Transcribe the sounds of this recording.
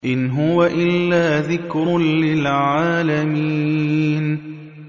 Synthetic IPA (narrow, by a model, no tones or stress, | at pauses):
ʔɪnɦʊwaʔɪlːaːðɪkɾʊnlɪlʕaːlami | n